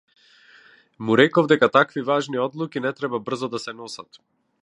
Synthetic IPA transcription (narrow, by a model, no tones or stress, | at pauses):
muɾɛkɔvd̪ɛkat̪akvivaʒniɔd̪lˠukinɛt̪ɾɛbabr̩zɔd̪asɛnɔsat̪